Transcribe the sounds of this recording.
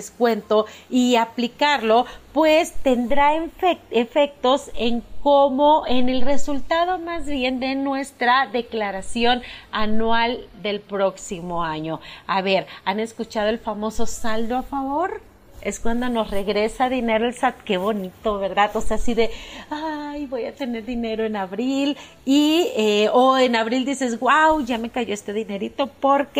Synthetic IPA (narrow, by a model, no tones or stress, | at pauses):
skwe̞nt̪o̞iaplikaɾlo̞pwest̪e̞nd̪ɾaefeefe̞k̚t̪o̞se̞ŋkomoene̞lre̞sult̪aðo̞mazβje̞nd̪e̞nwe̞st̪ɾaðe̞klaɾasjo̞nanwald̪e̞lpɾo̞ksimo̞aɲo̞aβe̞ɾane̞skut͡ʃað̞o̞e̞lfamo̞so̞sald̪oafaβo̞ɾ | e̞̰skwand̪o̞nosre̞ɣɾe̞saðine̞ɾoe̞lsat̪̚ke̞βo̞nit̪o̞βe̞ɾðaðoseasiðe̞ajβo̞jat̪e̞ne̞ɾðine̞ɾo̞enaβɾil | ieoenaβɾild̪ise̞zɣwawʝame̞kaʝoest̪e̞ðine̞ɾit̪o̞po̞ɾke